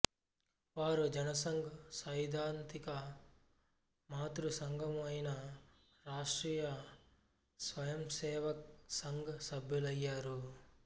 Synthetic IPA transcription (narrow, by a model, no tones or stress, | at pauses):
ʋaːɾud͡ʒɐnɐsɐŋɡɐsɐjd̪ʱaːnt̪ikɐ | maːt̪ɾusɐŋɡʱɐmɐjnɐ | ɾaːʂʈɾiːjɐ | sʋɐjɐmsɛːʋɐk̚sɐŋɡɐsɐbʱjulɐjːaːɾu